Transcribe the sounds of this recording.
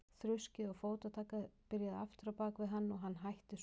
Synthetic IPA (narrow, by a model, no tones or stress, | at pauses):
θɾʏscɪɔɣfoːwt̪at̪ʰaːkapɪɾjaðaft̪ɪɾawpaːkvɪðɦanːɔɣɦanːɦajht̪ɪs